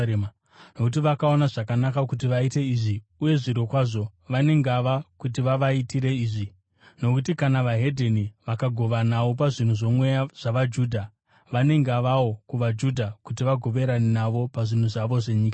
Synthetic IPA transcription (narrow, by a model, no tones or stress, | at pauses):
no̞kut̬iʋakao̞naʐakanakakut̬iʋaite̞iʐi | uje̞ʐiɾokwaːʐo̞ʋane̞ŋɡaʋakut̬iʋaʋaitiɾe̞iːʐi | no̞kutikanaʋaɦe̞dʱeniʋakaɡʱo̞ʋanaʋo̞p̬aʐin̤uʐo̞mwe̞jaʐ̥aʋad͡ʒuːdʱa | ʋane̞ŋɡaʋawo̞kuʋad͡ʒudʱakutiʋaɡʱo̞ʋe̞ɾanenaʋo̞paʐin̤uʐaʋo̞ʐe̞ɲiːkḁ